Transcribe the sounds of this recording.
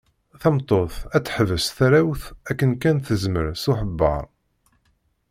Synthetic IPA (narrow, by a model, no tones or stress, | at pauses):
θæmt̪ˤːoθæt͡sːħvəsθæɾæwθækːənkænθəzməɾsuħəbːɑ̰ɾˤ